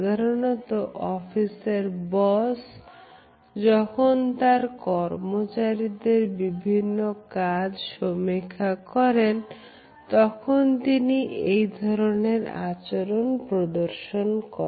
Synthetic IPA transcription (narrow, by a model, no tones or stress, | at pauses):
d̪ʱaɾonɔt̪oʔɔfiseɾbɔs | d͡ʑɔkʰont̪aɾkɔɾmot͡ɕaɾid̪eɾbibʱinːokad͡ʑʃomikʰːakɔɾen | t̪ɔkʰont̪iniʔejd̪ʱɔɾoneɾa̰t͡ɕoɾonpɾod̪oɾʃonkɔ